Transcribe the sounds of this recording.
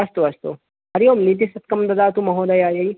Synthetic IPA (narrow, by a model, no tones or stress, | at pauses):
ɐst̪uɐst̪ṵ | hɐɾjoːmnit̪̬isɐt̪̚kɐmd̪ɐd̪aːt̪umɐɦoːd̪ɐjaːjɐj